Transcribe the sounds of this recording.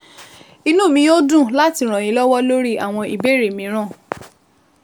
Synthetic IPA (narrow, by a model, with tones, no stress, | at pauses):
i˧nũ˦˨mĩ˧˦jo˦dũ˦˨la˦ti˧˨ɾ̃ɔ̃˨j̃ĩ˨˦lɔ˦wɔ˦lo˦ɾi˦a˨w̃ɔ̃˧i˨be˦˨ɾe˨mĩ˨˦ɾ̃ã˦˨